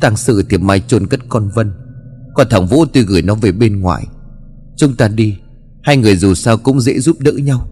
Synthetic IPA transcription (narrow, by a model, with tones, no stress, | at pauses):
t̪aː˧ŋsɨ̰˧˩t̪ʰi˨˩p̚ma˧jt͡ɕo˧nkə˦˥t̚kɔ˧nvə˧nkɔ˧nt̪ʰa˧˩ŋvṵ˧˥t̪u˧jɣɨ˧˩jnɔ˨˦ve˨˩ɓe˧nŋwa̰ː˧˨j | t͡ɕʊ˨˦ŋ͡mt̪aː˧ɗi˧ | haː˧jŋɨ˨˩əjzu˨˩saː˧wkʊ̰˧˥ŋ͡mzḛ˧˥zu˦˥p̚ɗɨ̰ː˧˥ɲa˧w